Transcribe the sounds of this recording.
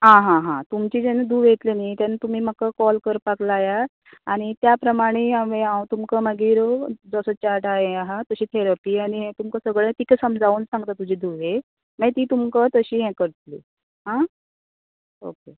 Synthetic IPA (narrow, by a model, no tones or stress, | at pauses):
ɦãɦãɦãt̪umt͡ɕiːd͡zenad̪ʱuːʋet̪lenit̪janat̪um̤iːm̤əkəkɔlkəɾpaklaːja | aɽ̃it̪japɾəmaɽ̃eaʋeãwt̪umkəməɡiːɾd͡zəsət͡ɕaɾʈaɦeaɦat̪əɕiːt̪ʰeɾapiːaɽ̃iɦɛ̃t̪umkəsəɡɭẽt̪ikəsəmd͡zauːnsãŋɡt̪at̪ud͡ʑiːd̪ʱuːʋe | najt̪iːt̪umkət̪əɕiːɦɛ̃kəɾt̪lḭː | ɦã | o̰ke